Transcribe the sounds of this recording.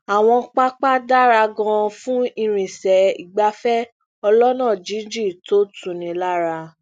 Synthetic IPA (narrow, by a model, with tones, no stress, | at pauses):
a˨w̃ɔ̃˧k͡pa˦k͡pa˦da˦ɾa˧ɡɔ̃˧fũ˦i˧ɾ̃ĩ˨sɛ˨ḭ˨ɡ͡ba˨˦fɛ˦ | ɔ˧lɔ˦nãː˦˨d͡ʒi˨˦d͡ʒi˦˨to˦tũ˨nĩ˧la˦ɾa˧